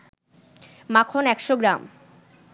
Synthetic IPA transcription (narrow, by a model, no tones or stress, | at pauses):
makʰonɛkʃoɡɾam